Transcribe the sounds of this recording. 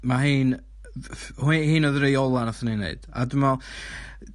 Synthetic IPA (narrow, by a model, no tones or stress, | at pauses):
maɦiːn | hihiːnɔðɾejɔlˠanaθəninḛɨd̥a̰dəmɔ